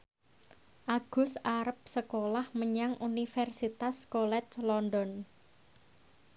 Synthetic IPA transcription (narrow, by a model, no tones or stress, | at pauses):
ʔaɡ̥ʊ̤saɾəp̚səkolahməɲaŋunifɛrsit̪askolɛt͡ʃlɔndɔn